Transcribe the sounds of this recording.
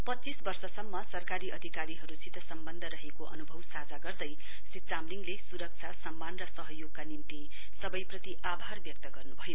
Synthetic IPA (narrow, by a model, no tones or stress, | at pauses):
pʌt͡sisbʌrsʌsʌmːʌsʌrkaɾiʔʌd̪ʱikaɾiɦʌɾusit̪ʌsʌmbʌnd̪ʱʌɾʌɦekoʔʌ̰nubʱʌwsad͡zaɡʌrd̪ʌj | sit̪̚t͡samliŋlesuɾʌk̚t͡sʰasʌmːanrʌsʌɦʌjoɡ̚kanimt̪i | sʌbʌjprʌt̪iʔabʱarbjʌk̚t̪ʌɡʌrnubʱʌjo